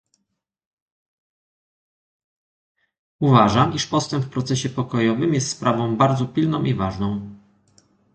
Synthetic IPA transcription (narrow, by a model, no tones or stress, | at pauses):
uvaʐamiʂpɔst̪ɛmpfpɾɔt̪sɛɕɛpɔkɔjɔvɘmjɛst̪spɾʔavɔ̃w̃baɾd̪zɔpʲilnɔ̃w̃ʔivaʐnɔ̃w̃